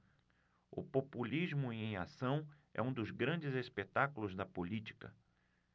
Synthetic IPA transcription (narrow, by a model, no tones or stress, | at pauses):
ʊ̰populizmʊiẽj̃a̰sɐ̃w̃ɛ̰ũd̪ʊzɡɾɐ̃d͡ʒɪzespet̪akulʊzd̪ɐpolit͡ʃi̥kɐ̰